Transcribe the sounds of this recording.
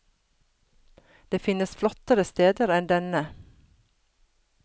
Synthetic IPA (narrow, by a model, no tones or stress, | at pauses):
d̪̥eːfɪnəsflɔt̪əɾəst̪eːd̪əɾɛnd̪ɛnə